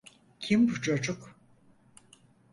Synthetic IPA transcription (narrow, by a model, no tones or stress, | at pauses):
cʰimbut͡ʃʰod͡ʒuk